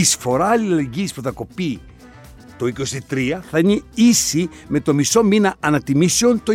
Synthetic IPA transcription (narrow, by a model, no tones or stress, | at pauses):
isfo̞ɾɐlileʝispuθɐko̞pi | t̪o̞iko̞st̪it̪ɾiɐθɐiɲeisi | me̞t̪o̞miso̞minɐːnɐt̪imiseont̪o